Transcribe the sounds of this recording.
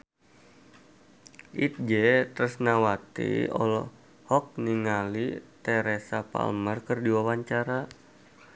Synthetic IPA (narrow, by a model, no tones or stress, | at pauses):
ʔit̪̚d͡ʒɛt̪ɾusnawat̪ḭɔ̰lɔ | hɔk̚niŋalit̪ɛɾɛsapa̰lmərkərdiwawaɲt͡ʃaɾa